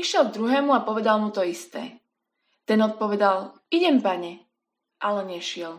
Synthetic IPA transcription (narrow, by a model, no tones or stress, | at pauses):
iʃɪɛlˠɡ̚d̪ɾuɦɛːmuapɔʋɛd̪almut̪ɔist̪ɛ̰ː | t̪ɛnɔt̪̚pɔʋɛd̪al | iɟɛmpaɲɛ | ʔalɛɲɛʃɪɛl